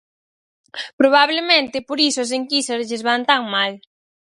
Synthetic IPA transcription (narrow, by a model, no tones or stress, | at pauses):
pɾoβaβ̞lemẽnt̪ɪpoɾisoas̬eŋkiseɾzʎezβant̪aŋmal